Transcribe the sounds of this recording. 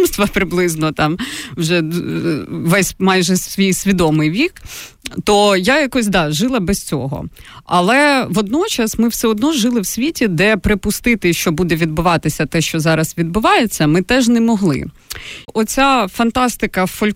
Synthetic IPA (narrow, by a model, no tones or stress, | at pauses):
mst̪ʋɐpɾɪblˠɪznɔt̪ɑmwʒɛ | ʋɛsʲmɑjʒɛsʲʋʲijsʲʋʲid̪ɔmɪjʋʲik | t̪ɔjajakɔs̬ʲd̪ɑʒɪlˠɐbɛst͡sʲɔ̰ɦɔ̰ɐ̰lˠɛʋɔd̪nɔt͡ʃɐsmɪwsɛɔd̪nɔʒɪlˠɪwsʲʋʲitʲid̪ɛpɾɪpʊst̪ɪt̪ɪʃt͡ʃɔbud̪ɛʋʲid̪̚bʊʋɑt̪ɪsʲɐt̪ɛʃt͡ʃɔzɑɾɐsʋʲid̪̚bʊʋɑjet͡sʲːɐmɪt̪ɛʒnɛmɔɦlˠɪ̰ | ɔt͡sʲafɐnt̪ɑst̪ɪkɐfɔlʲ